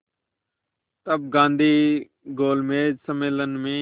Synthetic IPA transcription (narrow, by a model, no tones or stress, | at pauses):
t̪əb̚ɡãːnd̪ʱiː | ɡoːlmeːd͡ʒsəmeːlənmẽː